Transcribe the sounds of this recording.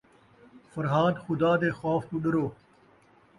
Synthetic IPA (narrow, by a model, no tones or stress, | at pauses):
fɐɾɦaːd̪xʊd̪aːd̪eːxaːft̪uɗəɾoː